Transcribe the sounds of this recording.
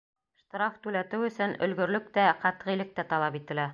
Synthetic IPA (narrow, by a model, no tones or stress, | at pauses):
ʃt̪ɾɑft̪ʉlæt̪ɘwɵ̆sɵnɵ̰̆lɡɵ̆ɾlɵk̚t̪æqæt̪ʁilɘk̚t̪æt̪ɑlˠɑpit̪ɘ̆læ